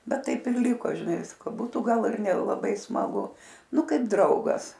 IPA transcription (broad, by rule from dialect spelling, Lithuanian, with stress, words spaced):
ˈbʲɛt ˈtɐɪp ɪr ˈlʲɪkoː ʒʲɪˈnɐɪ ˈʋʲɪskoː ˈbuːtʊ ˈɡɐlˠ ɪr nʲɛlˠɐˈbɐɪ smɐˈɡʊ ˈnʊ ˈkɐɪp ˈdrɐʊɡɐs